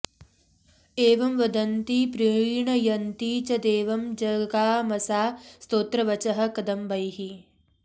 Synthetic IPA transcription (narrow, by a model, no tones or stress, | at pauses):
eːʋɐmʋɐd̪ɐnt̪ipɾiɳɐjɐnt̪iːt͡ʃɐd̪eːʋɐmd͡ʒɐɡaːmɐsaːst̪oːt̪ɾɐʋɐt͡ʃɐɦɐ̆kɐd̪ɐmbɐjɦi